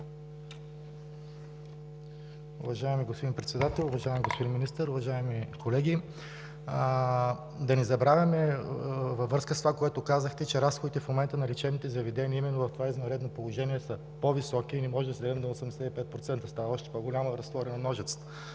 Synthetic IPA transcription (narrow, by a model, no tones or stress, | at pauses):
ʊ̰vɐʒaɛmiɡospod̪inpɾɛt̪sɛd̪at̪ɛlˠʊvɐʒaɛmiɡospod̪inminist̪əɾʊvɐʒaɛmikolɛɡʲi | d̪ɐnɛzɐbɾavʲjɐmɛ | vɐvːɾɤskəst̪ovakoɛt̪okazəxt̪ɛt͡ʃɛɾasxod̪it̪ɛfmomɛnt̪ənɐlʲit͡ʃɛvnit̪ɛzɐvɛd̪ɛniəimɛnːovɐft̪ovaiznɐnɾɛd̪nopolˠoʒɛniɛsə | povisɔkiːnɛmɔʒɛd̪ɐsɛd̪ɛmd̪ɐosɐmd̪ɛsɛt̪ipɛt̪̚pɾot̪sɛnt̪əst̪avɐɔʃt̪ɛ̥poɡolʲaməɾɐst̪vɔɾʲɛnɐnɔʒɛt̪sə̥t̪ə